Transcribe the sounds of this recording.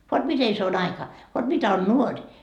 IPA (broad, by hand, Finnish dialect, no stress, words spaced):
ʋot mite se ɑikɑ ʋot mitæ on nuorʲ